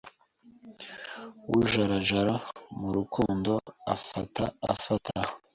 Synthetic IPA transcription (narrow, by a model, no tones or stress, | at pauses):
wuʒaɾaʒaɾamuɾukuːndo̞a̰fata̰a̰fatʰa